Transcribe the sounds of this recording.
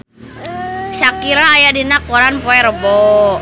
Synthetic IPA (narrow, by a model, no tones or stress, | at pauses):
sakiɾaːjadinak̚oɾanpoɛɾəbɔ